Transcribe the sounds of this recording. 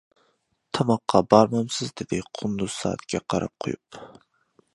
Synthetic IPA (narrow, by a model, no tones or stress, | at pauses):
t̪ʰɑmɑqʰːɑbɑɾmɑmsɪzd̪ɪd̪ɪqʰʊnd̪uz̥sɑ̰ːt̪kʲʰɛqʰɑɾɑ̰p̚qʰojup